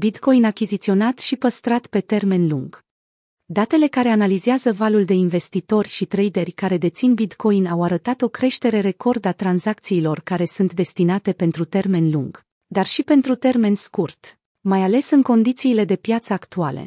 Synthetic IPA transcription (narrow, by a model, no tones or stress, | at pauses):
bit̪ko̞inakʲizit̪sio̞nat̪ʃipəst̪ɾat̪pe̞t̪e̞rme̞nluŋɡ̥ | d̪at̪e̞le̞kaɾe̞analizeazəvaluld̪e̞inve̞st̪it̪o̞rʲʃit̪ɾejd̪e̞rʲkaɾe̞d̪e̞t̪sinbit̪kʰo̞jinawaɾət̪at̪o̞kɾe̞ʃt̪e̞ɾe̞ɾe̞ko̞rd̪at̪ɾanzakt̪siːlo̞rkaɾe̞sunt̪d̪e̞st̪inat̪e̞pe̞nt̪ɾut̪e̞rme̞nluŋɡ̥ | d̪arʃipe̞nt̪ɾut̪e̞rme̞nskurt̪ | majale̞sɨŋko̞nd̪it̪siːle̞d̪e̞pjat̪səakt̪uale̞̰